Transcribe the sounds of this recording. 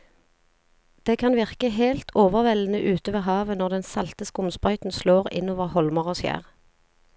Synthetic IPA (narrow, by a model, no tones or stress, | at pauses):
d̪̥eːkʰɑnʋɪʁkəɦeːlt̪ʰoːʋəʁʋɛlən̩əʔʉːt̪əʋeːɦɑːʋənɔʁd̪ɛnsɑlt̪əskʊmspœʏt̪n̩sloːʁɪ̰noːʋəʁhɔlməʁoːsjæ̰ːʁ